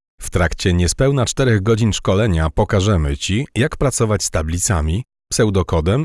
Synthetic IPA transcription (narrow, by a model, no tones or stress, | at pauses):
ft̪ɾakt͡ɕɛɲɛspɛwnat͡ʂt̪ɛɾɛɣɡɔd͡ʑinʂkɔlɛɲapɔkaʐɛmɘt͡ɕijakpɾat̪sɔvat͡ɕst̪ablʲit̪sa̰mʲi | psɛwd̪ɔkɔd̪ɛm